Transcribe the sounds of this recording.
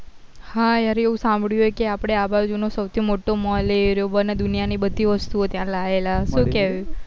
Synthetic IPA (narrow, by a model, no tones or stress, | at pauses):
hãjaɾeeũsãmbʱɽjuɦekeapɽ̃eabad͡ʒunosəwt̪ʰimoʈomɔleɾobəned̪unijanibəd̪ʱːiʋəst̪uot̪jãlaelaʃũkeʋju